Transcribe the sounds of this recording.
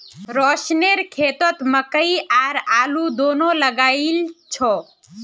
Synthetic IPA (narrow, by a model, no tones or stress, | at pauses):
ɾɔːʃneɾkʰeːt̪ət̪məkəiʔaːɾaːlud̪oːnoləɡaːilt͡ʃʰɔː